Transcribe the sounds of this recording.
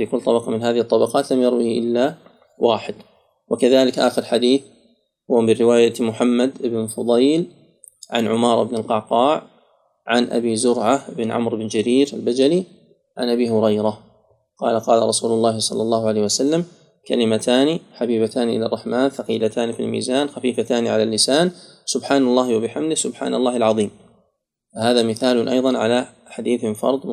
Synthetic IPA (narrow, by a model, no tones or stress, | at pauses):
fiːkʊlːt̪ˤɑbɑqɑmɪnɦaːðɪhɨt̪ˤːɑbɑqɑːt̪lamjɑɾˤwihʔɪ̰lːa | waːħɪd̪ | wakaðaːlɪkʔaːxɪɾlħad̪iːθ | hʊwamɪɾɪwaːjamʊħamːad̪ʔɪbɪnfʊd̪ˤɑjl | ʕa̰nʕʊmɑːɾˤɪbnɪlqɑʕqɑːʕ | ʕanʔa̰biːzʊɾʕaʔɪbnʕa̰mɾɪbɪnd͡ʒaɾiːɾalbad͡ʒali | ʕa̰nʔabiːhʊɾɑjɾa | qɑːlaqɑːlaɾˤɑsuːlʊlˤːɑːhɪsˤɑ̰lːɑlˤːɑːhʊʕalejhwasalːam | ka̰lɪmat̪ʰaːniħabiːbat̪aːniʔɪlarˤːɑħmaːnθɑqiːlat̪ʰaːnifḭlmḭːzaːnxafiːfat̪aːniʕalalːɪsaːnsʊbħaːnalˤːɑːhɪwabɪħamd̪ɪhsʊbħa̰ːnalˤːɑːhalʕɑðˤiːm | fahaːðamɪθaːlʊnʔɑ̰jðˤɑnʕa̰la | ħad̪iːθɪmfɑ̰ɾˤd̪ˤ